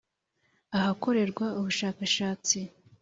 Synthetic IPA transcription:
aɦako̞ɾe̞ɾɡwauβuʃaːkaʃaːt͡si

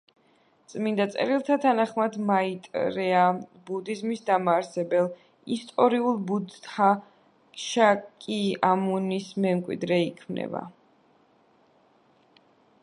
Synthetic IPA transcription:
t̪sʼmind̪at̪sʼɛ̰ɾilˠt̪ʰat̪ʰanaχmad̪mait̪ʼɾɛabud̪izmisd̪amaːɾsɛbɛlˠ | ist̪ʼɔɾiulˠbud̪t̪ʰa | ʃakʼiamunismɛmkʼwḭd̪ɾɛikʰmnʔɛ̰ba̰

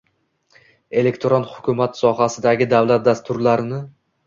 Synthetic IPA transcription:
e̞le̞kʲt̪ʰɾonhʊkʰʲʊmat̪sɒɦasɪd̪aɡʲɪd̪avlat̪̚d̪ast̪ʰʊɾlaɾɪnɪ

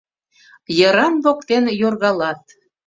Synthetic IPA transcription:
jəɾɑnβokt̪enjorɣɑlɑt̪

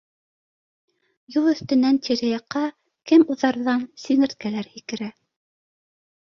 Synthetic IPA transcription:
julˠɵ̆θt̪ɘ̆nænt̪ʰiɾɘjɑqːɑ | kɘmuðɑɾðɑnsiŋɘ̆ɾt̪̚kælæɾhikɘ̆ɾæ

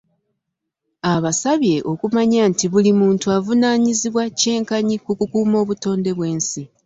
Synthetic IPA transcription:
aβasaβje̞ʔo̞kumaɲaːntiβulimuːntuavunaːɲiziβwace̞ːŋkaɲikukukuːmo̞ːβuto̞ːnde̞βwe̞ːnsi

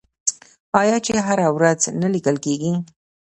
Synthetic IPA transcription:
ɑjɑt͡ʃeɦaɾawɾaznalikəlkeɡi

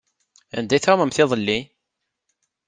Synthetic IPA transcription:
æ̰nd̪æjθɾməmθɪðˤəlːi

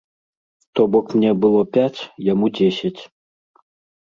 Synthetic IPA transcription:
t̪ɔbɔkmnʲɛbɨlˠɔpʲat͡sʲjamud͡zʲesʲɐt͡sʲ

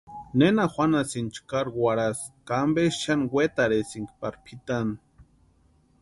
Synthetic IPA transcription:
nenaxʷanasint͡ʃkaɾwʷaɾaskambeʃʃanwet̪aɾesiŋkpaɾpʰit̪an

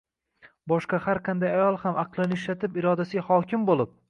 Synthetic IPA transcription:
bɒʃqɑhaɾqʰɑnd̪ajajɒlˠhamaqlˠɪnɪɪʃlat̪ʰɪpɪɾɒd̪asɪhɒkʲʰɪmbolˠɪp̚

